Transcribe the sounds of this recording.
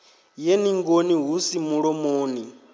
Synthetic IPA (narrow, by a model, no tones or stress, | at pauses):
jeniŋɡoniɦusimuɺɔmoːni